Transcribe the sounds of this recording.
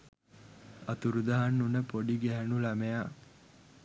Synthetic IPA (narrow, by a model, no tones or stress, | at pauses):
ɐt̪uɾud̪ɐɦanːunəpoɖiɡæɦænulæmeja